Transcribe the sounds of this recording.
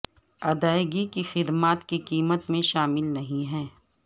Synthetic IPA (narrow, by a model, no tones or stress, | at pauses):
ɐd̪aːɪɡikixɪd̪maːt̪kikiːmət̪mẽʃaːmɪlnɐɦĩɦɛː